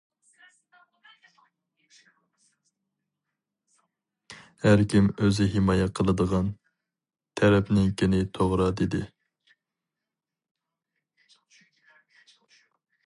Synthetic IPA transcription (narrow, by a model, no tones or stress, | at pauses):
hæɾkʲimøzɪɦɪmɑjɛqʰəlˠɨd̪əʁɑn | t̪ʰɛɾɛpnɪŋkʲʰinɪt̪ʰoʁɾɑd̪ɪd̪ɪ